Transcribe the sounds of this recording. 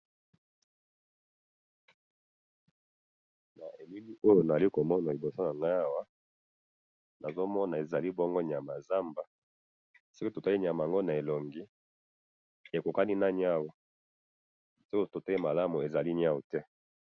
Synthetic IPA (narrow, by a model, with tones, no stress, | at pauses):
na˨ʔe˨mi˦li˦ʔo˦jo˨na˨za˨li˦ko˨mɔ˦na˨li˨bo˨so˦na˨ŋɡa˦a˦wa˦ | na˨zo˦mɔ˦na˨e˨za˨li˦bɔ˦ŋɡo˦ɲ˨a˨ma˨za˦mba˨ | so˦ko˦to˨ta˦li˦ɲ˨a˨ma˨ŋɡo˦na˨e˨lɔ˨ŋɡi˦ | e˨ko˨ka˦ni˦na˦ɲ˦a˦wo˨ | so˦ko˦to˨ta˦li˦ma˨la˦mu˨e˨za˨li˦ɲ˦a˦wo˨tɛ˦